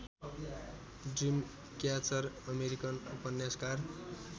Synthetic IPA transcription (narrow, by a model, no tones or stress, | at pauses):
drim | kjat͡sʌrʌmeɾikʌnupʌnjaskar